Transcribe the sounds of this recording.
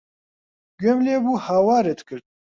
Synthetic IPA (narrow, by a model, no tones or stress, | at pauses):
ɡemlebuːhaːwaːɾet̪kɨɾd̪̚